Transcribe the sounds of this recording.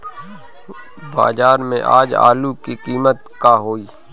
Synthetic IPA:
ba̰ːzaːɾmḛ̃ʔa̰ːd͡ʒa̰ːlukiqiːmət̪kaɦoːiː

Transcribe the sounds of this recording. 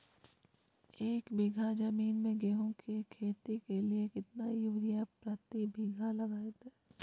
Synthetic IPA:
eːkbiɡʱad͡ʒɐmiːnmẽɡeːɦõkʰekʰeːt̪ikeliekɪt̪najʊʋɾijapɾat̪ibʱiɡʱalɐɡaːet̪eː

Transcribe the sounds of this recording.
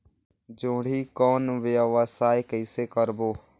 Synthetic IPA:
d͡ʒõːɽ̤iːkɔːnʋəʋəsaːjkəɪseːkəɾboː

